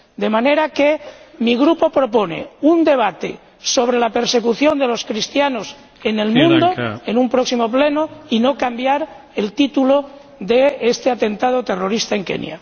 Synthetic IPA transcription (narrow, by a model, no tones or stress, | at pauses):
d̪e̞mane̞ɾakemiɣ̞ɾupo̞pɾo̞ponḛund̪e̞β̞at̪ḛ | so̞β̞ɾelape̞ɾse̞kuθjo̞nd̪e̞lo̞skɾist̪janos | enelmũnd̪oenumpɾoksimo̞plenoino̞kambjaɾ | elt̪it̪ulo | ðeest̪eat̪e̞nt̪aðot̪ero̞ɾist̪aeŋkḛnj̰a̰